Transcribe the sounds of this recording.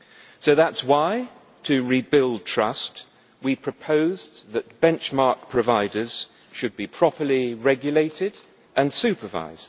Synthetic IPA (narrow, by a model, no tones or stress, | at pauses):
soʊðætswaɪ | tʰɨɹibɪlˠd̚tʰɹ̥ʌst | wipʰɹ̥əpʰoʊzðɨt̚b̥ɛ̃nt͡ʃmɑɹk̚pʰɹ̥əvaɪdəz̥ | ʃɨd̚bipʰɹ̥ɒpəliɹɛɡjəleɪtɪd | ʔə̃nsʉˑpəva̰ɪz̥d̥